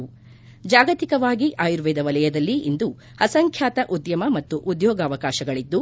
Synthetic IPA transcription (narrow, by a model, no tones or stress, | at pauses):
d͡ʒaːɡɐt̪ikɐʋaːɡiʔaːjuɾʋɛːd̪ɐʋɐlɐjɐd̪ɐlːiʔind̪u | hɐsɐŋkʰjaːt̪ɐʔud̪jɐmɐmɐt̪ːuʔud̪jɔːɡaːʋɐkaːʃɐɡɐɭid̪ːu